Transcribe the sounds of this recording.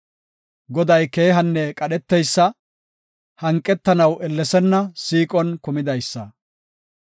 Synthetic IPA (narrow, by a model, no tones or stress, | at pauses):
ɡɔd̪ɐjke̞ːɦɐnːɛkʼɐɗɛt̪ːɛjsːɐ | hɐŋkʼːɛt̪ːɐnɐwʔɛlːɛsɛnːɐsiːkʼɔnkʊmɪd̪ɐjsːɐ